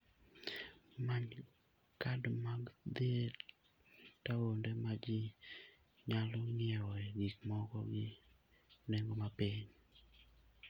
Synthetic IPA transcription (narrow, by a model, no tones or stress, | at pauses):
maɲ | kadmaɡd̪ie | tawondemad͡ʒɪ | ɲalɔŋɪɛwɔɛɡikmɔkɔ̰ɡɪ | neŋɡomapiɲ